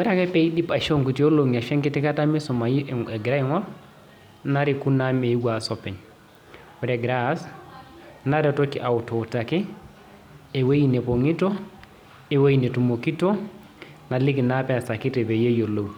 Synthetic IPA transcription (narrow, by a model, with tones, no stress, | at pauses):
wɛ˦ɾa˦kɛ˦pɛ˦i˦ɗi˦pa˨ʃo˦ŋku˨tio˦lo˨ŋa˨ʃɛ˦ŋki˦ti˦ka˦tami˦sɔmaɡɾa˦iŋɔ˦ɾ | na˦ɾiku˦name˨i˦ɡwasɔpɛ˨ɲ | wɛɾɛɡɾas | na˦ɾi˦tokiʔa˨u˨to˨ta˨kɛ˦ | e˨we˦jine˨po˨ŋi˦to˦ | e˨we˦jine˨tu˨mo˨ki˦to˦ | na˨li˦ki˨napɛ˨a˨sa˨ki˦tɛ˨be˨je˦jo˨lo˨w